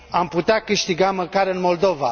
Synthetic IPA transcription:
amput̪eakɨʃt̪iɡaməkaɾɨnmo̞ld̪o̞va

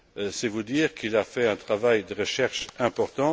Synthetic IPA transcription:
sɛvud̪iːʁkilafɛɛ̃t̪χavajd̪əʁəʃɛʁʃɛ̃pɔʁt̪ɑ̃

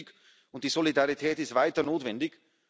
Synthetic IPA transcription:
k | ʊnt̚d̥iːzolidaʁitʰɛːtɪstvaɪtɐnoːtv̥ɛndɪk

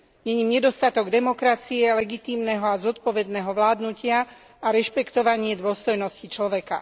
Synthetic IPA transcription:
ɲɛɲiːmɲɛd̪ɔst̪at̪ɔɡd̪ɛmɔkɾat͡siɛlɛɡit̪iːmnɛɦɔazɔt̪pɔʋɛd̪nɛɦɔʋlaːd̪nucɪa | aɾɛʃpɛkt̪ɔʋaɲɪɛd̪ʊɔst̪ɔjnɔscit͡ʃlɔʋɛka̰

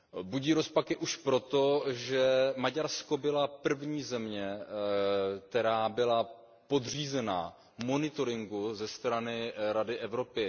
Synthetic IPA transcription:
buɟiːɾo̞spakɪʔuʃpɾo̞t̪o̞ʒɛmaɟaɾsko̞bɪlapr̩vɲiːzɛmɲɛ | t̪ɛɾaːbɪla | po̞d̪riːzɛna̰ | mo̞nɪt̪o̞ɾɪŋɡuzɛst̪ɾanɪɾadɪʔɛvɾo̞pɪ

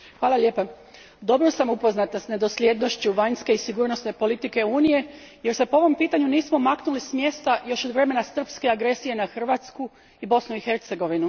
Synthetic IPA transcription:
xʋaːlˠaʎʲe̞ːpa | d̪o̞bɾosamupo̞znat̪nsne̞d̪o̞slʲje̞d̪no̞ʃt͡ɕuʋaɲske̞isiɡuːɾno̞sne̞po̞lit̪ike̞uːnije̞je̞ɾse̞poo̞ʋo̞mpiːt̪aɲuniːsmo̞maknulismje̞st̪ajo̞ʃod̪ʋɾe̞me̞nasr̩pske̞aɡɾe̞sije̞naxr̩ʋat̪sku | ibo̞snuixe̞ɾt̪se̞ɡo̞ʋinu

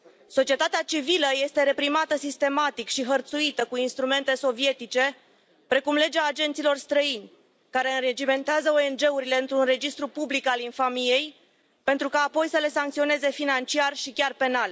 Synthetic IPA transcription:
so̞t͡ʃie̞t̪at̪eat͡ʃiviləje̞st̪e̞ɾe̞pɾimat̪əsist̪e̞mat̪ikʃiɦərt̪suit̪əkuinst̪ɾume̞nt̪e̞so̞vie̞t̪it͡ʃe̞ | pɾe̞kumle̞d͡ʒaːd͡ʒe̞nt̪silo̞rst̪ɾəinʲ | kaɾe̞ɨnred͡ʒime̞nt̪eazəo̞e̞nd͡ʒe̞uɾile̞ɨnt̪ɾunre̞d͡ʒist̪ɾupublikalinfamije̞j | pe̞nt̪ɾukaːpo̞jsəle̞saŋkt̪sio̞ne̞ze̞finant͡ʃiarʃikʲarpe̞nal

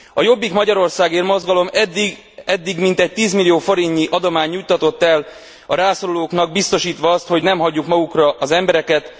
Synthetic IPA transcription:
ɒjo̞bːikmɒɟɒɾo̞rsaːɡeːrmo̞zɡɒlo̞md̪i | ɛd̪ːiɡmint̪ɛc̚t̪iːzmilːijoːfo̞ɾiɲːiʔɒd̪o̞maːɲːujt̪ːɒt̪o̞t̪ːɛl | ɒɾaːsoɾuloːknɒɡ̚bist̪o̞ʃiːt̪ʋɒɒst̪ho̞ɟnɛmɦɒɟːukmɒɡukrɒʔɒzɛmbɛɾɛkɛt̪

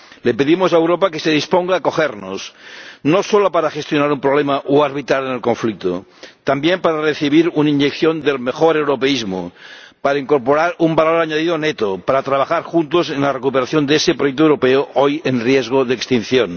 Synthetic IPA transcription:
lepe̞ðimosaewɾopakeseð̞ispoŋɡaːko̞xeɾno̰snosolopaɾaxe̞st̪jonaɾumpɾoβlemaʔoaɾβit̪ɾaɾenelkõ̞ɱflik̚t̪o̰t̪ambjempaɾareθiβ̞iɾunaiɲʝekθjo̞nd̪e̞lme̞xoɾewɾopeizmo̰paɾaiŋko̞ɾpoɾaɾumbaloɾaɲaðiðonet̪opaɾat̪ɾaβ̞axaɾxunt̪osenlarekupeɾaθjond̪eesepɾojek̚t̪oewɾo̞peoʔojenrjezɣ̞oðeekst̪in̟θjon

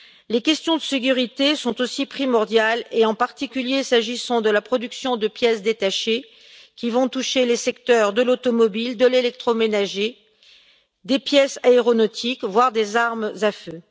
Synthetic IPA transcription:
lekʲɛst̪jɔ̃d̪əsek̬ʲyʁit̪esɔ̃t̪osipχimɔʁd̪jaleɑ̃paʁt̪ikʲyljesaʒisɑ̃d̪əlapχɔd̪yksjɔ̃d̪əpjɛsd̪et̪aʃe | kʲivɔ̃t̪uʃelesɛkt̪œʁd̪əlot̪ɔmɔbild̪əlelɛk̚t̪χomenaʒe | d̪epjɛsaeʁɔnɔt̪ʰikvwaʁd̪ezaʁmzafø

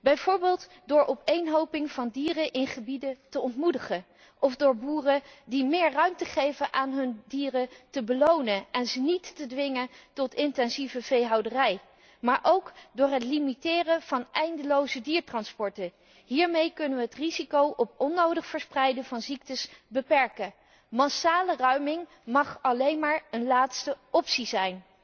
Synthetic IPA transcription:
bɛjvoːɹbɪːlˠt | dʊːɹʔɔpejnɦowpɪŋv̥ɑndiːrəʔɪnχəbidətəɔntmudəχə | ʔɔvdʊːɹbuːrədimɪːɹrœɥmtəχejvənʔaːnɦɵndiːrətəbəlownəɛnzənitːədʋɪŋətɔtɪntɛnzivəvejɦɑwdərɛj | maːɹʔowkdʊːɹɦətlimitɪːrəv̥ɑnʔɛjndəlowzədiːɹtrɑnspɔɹtə | ɦiːɹmejkɵnəʋəɦətrizikowʔɔpɔnːowdəχfəɹsprɛjdəvɑnzik̚təsbəpɛɹkə | mɑsaːlərœɥmɪŋ | mɑχɑlejnmaːɹənlaːtstəɔpsizɛjn

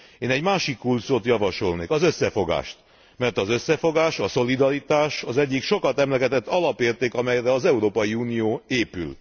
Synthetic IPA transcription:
eːnɛɟmaːʃikːulsoːt̪jɒvɒʃo̞lneːkɒzø̞sːɛfo̞ɡa̰ːʃt̪ | mɛrt̪ɒzø̞sːɛfo̞ɡaːʃɒso̞lid̪ɒɾit̪aːʃɒzɛɟːikʃo̞kɒt̪ɛmlɛɡɛt̪ɛt̪ːɒlɒpeːrt̪eːkɒmɛjrɛɒzɛuɾoːpɒjiuːnijoːeːpy̰l

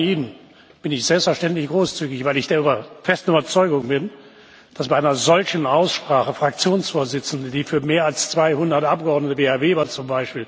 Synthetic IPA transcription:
iːnən | b̥ɪnɪçz̥ɛlpstfɛɐʃtɛntlɪçɡ̥ʁoːst͡syːɡɪçv̥aɪlɪçd̥eːɐybɐfɛstn̩yːbɐt͡sɔʏɡʊŋbɪn | d̥asb̥aɪʔaɪnɐzɔlçn̩ʔaʊsʃpʁ̥aːχəfʁ̥ak̚t͡sjoːnsfoːɐzɪt͡sn̩dədiːfyːɐmeːɐalst͡sv̥aɪhʊndɐtʔap̚ɡ̥əɔɐdnətəveːhaɐveːbɐt͡sʊmbaɪʃpiːl

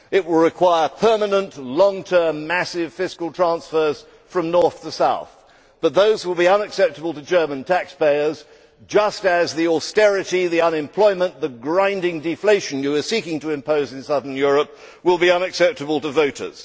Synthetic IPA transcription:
ɪʔ̚wɪlˠɹɨkʰw̥aɪə˞pʰɜ˞mənə̃nʔlɔ̃ŋtʰɜ̃˞mːæsɪv̥fɪskl̩ˠtʰɹ̥æ̃nsfə˞z̥ | fɹʌ̃mnɔɹθtəsaʊθ | b̥ʌt̪̚ðoʊzwəlˠbiʌ̃nɨksɛp̚təbəl̩ˠtɨd͡ʒɜ˞mə̃ntʰækspeɪə˞z | d͡ʒʌstɨzðiɔstɛɹɨɾiðiʌ̃nɨ̃mpʰl̥ɔɪmə̃nðəɡɹãɪ̃ndɪ̃ŋdɨfleɪʃɨ̃n̩jɨə˞sikɪ̃ŋtʰɨɨ̃mpʰoʊzɨ̃nsʌðə̃˞njʊɹəp̚ | wɪlˠbiʌ̃nɨksɛp̚tɨbəlˠtəvoʊɾə̰˞z̥

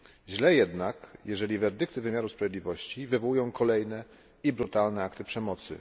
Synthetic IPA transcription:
ʑlɛjɛd̪nakjɛʐɛlʲivɛɾd̪ɘkt̪ɘvɘmʲjaɾuspɾavjed̪lʲivɔɕt͡ɕivɘvɔwujɔ̃w̃kʰɔlɛjnɛ | ibɾut̪alnɛakt̪ɘpʂɛmɔt̪sɘ̰

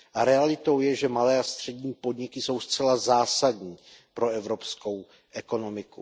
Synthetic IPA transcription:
ʔaɾɛalɪt̪o̞wjɛʒɛmalɛːast̪r̝̥ɛdɲiːpo̞dɲɪkɪso̞wst͡sɛlazaːsadɲiːpɾo̞ɛvɾo̞psko̞w | ʔɛko̞no̞mɪku

